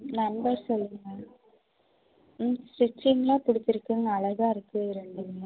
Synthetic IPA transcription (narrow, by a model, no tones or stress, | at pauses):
nɐnbɐɾsɔlːɯŋɡɐ | sʋɪt͡ʃːɪŋɡɐlãːpʊɽɪt͡ʃːɪɾɯkːɯŋɡɐːɭɐɣaːɪɾɯkːɯɪɾɛɳɖɯŋɡɐ